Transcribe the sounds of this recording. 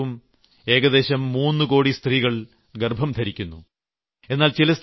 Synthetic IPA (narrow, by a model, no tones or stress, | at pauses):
um | e̞ːɡɐðe̞ːɕɐmːuːnːɨko̞ːɽist̪riːɣɐɭ | ɡerbʱɐmd̪ʱɐɾikʲːunːṵ | e̞nːaːlt͡ɕilɐst̪